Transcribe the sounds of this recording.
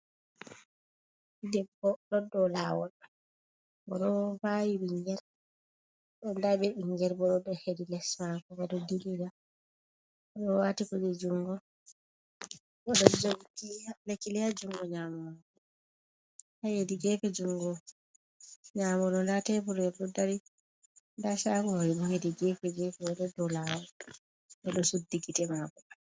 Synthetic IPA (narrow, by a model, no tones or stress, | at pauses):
idɛbɔlɔdːɔlawɔ̰ɗ | bɔɗɔvajiɓiŋɡɛɾ | ɗɔndabɛiŋɡɛɾbɔɗɔdːɔhedilɛsmakɔbɛɗɔdiliɡa | ɔɗɔwaːtikɔd͡ʒɛd͡ʒuŋɡɔ | ɓɔɗɔd͡ʒoɡikialekːilijad͡ʒuŋɡɔɲamɔmakɔ | hajediɡɛfɛd͡ʒuŋɡɔ | ɲaːmɔɗɔndatɛpuɾɛdɔdaɾi | ndasaːkɔhajiɗɔhediɡɛfɛɡɛfɛwɛɗɔdɔlawɔ | ɓɛɗɔsudːiɡitɛmakɔ